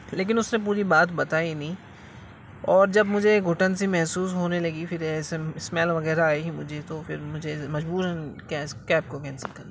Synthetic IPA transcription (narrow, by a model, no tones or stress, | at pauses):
leːk̬ɪnʊsnẽp̬uːɾibaːt̪bɐt̪aːinɐĩː | ɔːɾd͡ʒɐbmʊd͡ʒʱeɡʱʊʈənsimɛɦsuːs̬ɦoːnelɐɡifɪɾɪsmɛːlʋɐɣɛːɾaaːeɦimʊd͡ʒʱet̪ofʰɪɾmʊd͡ʒʱemɐd͡ʒbuːɾɦɛkɛskɛːp̚kokɛ̃ːnsikɐɾaː